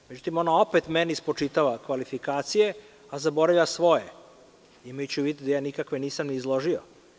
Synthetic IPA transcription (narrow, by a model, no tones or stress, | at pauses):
med͡ʒut̪imo̞nao̞pet̪menɛispot͡ʃit̪aʋakʋalifikaːt̪sije̞ | azabo̞ɾavʎʲasʋo̞je | imet͡ɕuʋid̪t̪d̪ajaːnikakʋe̞niːsamniːzlˠo̞ʒio